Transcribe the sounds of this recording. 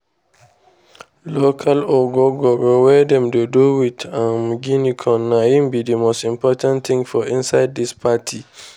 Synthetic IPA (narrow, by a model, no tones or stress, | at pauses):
lokʰaloɡɔɡɔɡɔwɛdɛ̃mdeduwitãmɡinikʰɔ̃nːãjĩmbidimostĩmpʰɔtʰãntt̪ɪ̃ŋfɔĩnsaɪd̚ːispʰatʰi